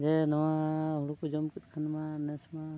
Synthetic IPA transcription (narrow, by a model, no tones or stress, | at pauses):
d͡ʒɛnɔwaɦuɽukud͡ʒɔmkit̪̚kʰanmanɛsma